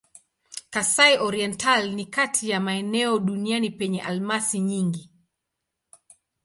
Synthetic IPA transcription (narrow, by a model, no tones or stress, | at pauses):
kasaiʔɔɾiɛntalnikatʰijamaɛnɛɔɗunianipɛɲɛʔalmasiɲiŋɡi